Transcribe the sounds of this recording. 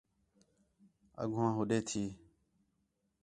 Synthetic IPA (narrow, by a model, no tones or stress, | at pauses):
ə̰ɡʱʊãːɦʊɗeːt̪ʰiː